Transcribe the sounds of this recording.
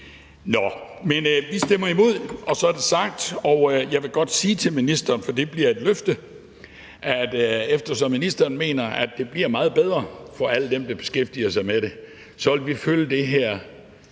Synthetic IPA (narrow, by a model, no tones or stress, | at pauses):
nɒmenʋisd̥em̰ɐimo̝ð̞̰ˠɒ̽sɒ̽æɐd̥e̝sɑ̈ɡ̥̚d̥ɒʊjɑ̈ɪʋe̝ɡ̥ɒ̽d̥siːt͡sʰe̝lminisd̥ɐːnfɒ̽d̥ib̥liɐe̝d̥løfd̥ə | ʔæd̥efd̥ɐsɒ̽minisd̥ɐːnme̝̰ːnɐæd̥̚e̝b̥liɐmɑ̈ːð̞̩ˠb̥eð̞ˠʁɐfɒ̽æləd̥emd̥ɑ̈b̥e̝sɡ̥efd̥iɐsɑ̈ɪmeɾ̥e̝ | sɒ̽ʋelʋiføləd̥e̝ɦæɐ̰